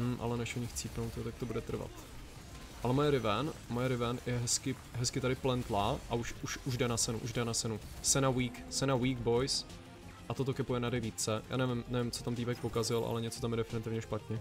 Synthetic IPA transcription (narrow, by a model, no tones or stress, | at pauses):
ʔa̰lɛnɛʃoɲɪxt͡siːpnowt̪jot̪ak̚t̪obudɛt̪r̩va̰t̪ | ʔalɛmojɛɾɪvɛnmojɛɾɪvɛnjɛɦɛskɪ | ɦɛskɪt̪adɪplɛnt̪laʔauʃuʃuʒdɛnat͡sɛnṵʔṵʒdɛnat͡sɛnusɛnawiːksɛnawiːɡ̚bo̞js | ʔat̪ot̪o̞kɛpujɛnadɛjviːt͡sɛja̰ːnɛvɪmnɛvɪmt͡so̞t̪amt̪iːbɛk̚pokazɪlʔa̰lɛɲɛt͡so̞t̪amjɛdɛfɪnɪt̪ɪvɲɛʃpat̪ɲɛ